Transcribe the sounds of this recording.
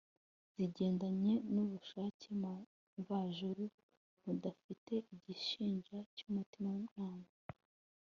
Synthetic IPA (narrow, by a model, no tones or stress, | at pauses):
z̥iɟe̞ːndaɲe̞nuβuʃaːcʰem | ɱvaːʒuɾu | mudafite̞ʔiɟiʃiːɲʒacumutimawmɲaːma